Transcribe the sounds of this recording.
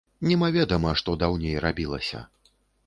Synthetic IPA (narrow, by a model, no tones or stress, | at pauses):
nʲɛmavʲɛd̪ɐmɐʂt̪ɔd̪awnʲejrabʲilˠɐ̰sʲɐ̰